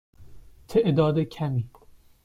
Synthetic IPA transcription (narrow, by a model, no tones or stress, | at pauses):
t̪ʰeʔd̪ɒːd̪ecʰæmiː